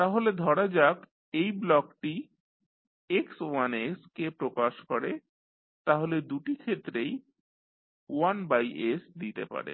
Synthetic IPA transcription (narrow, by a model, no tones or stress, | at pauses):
t̪aɦoled̪ʱɔɽad͡ʑak | ejblɔkʈi | ekswaneskepɾokaʃkɔɾe | t̪aɦoled̪uʈikʰet̪ːɾej | wanbajesd̪it̪ḛpa̰ɾḛ